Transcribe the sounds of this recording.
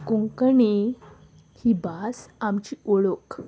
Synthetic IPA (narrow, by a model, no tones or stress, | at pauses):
kuŋkəɳi | hibasamt͡ɕioɭok